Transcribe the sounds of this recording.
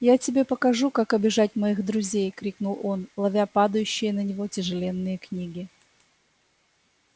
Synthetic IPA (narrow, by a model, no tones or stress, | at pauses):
jatʲɪbʲe̞pəkɐʐukakɐbʲɪʐatʲmɐiɣd̪ɾʊzʲejkɾʲiknʊlˠo̞nlˠɐvʲapad̪əjʉɕːɪjənənʲɪvo̞tʲɪʐɨlʲenːɨjəknʲiɡʲɪ